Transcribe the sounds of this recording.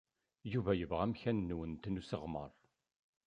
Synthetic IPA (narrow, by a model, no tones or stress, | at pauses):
juvæjəvʁæmçænːwənt̪nusəʁmə̰ɾˤ